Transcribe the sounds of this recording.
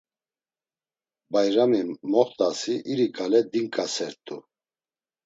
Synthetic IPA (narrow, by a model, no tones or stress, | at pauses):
bajɾamimɔχt̪ʼasiʔiɾikʼalɛd̪iŋkʼasɛɾt̪ʼu